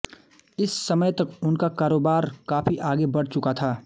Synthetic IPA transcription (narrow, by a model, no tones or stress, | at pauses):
ɪsːɐməjt̪ɐkʊnkakaːɾoːbaːɾkaːpʰiʔaːɡebɐɽ̤t͡ʃʊkat̪ʰaː